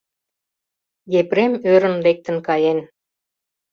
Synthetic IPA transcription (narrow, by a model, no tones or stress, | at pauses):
jepɾemøɾə̆nlek̚t̪ə̆nkɑjen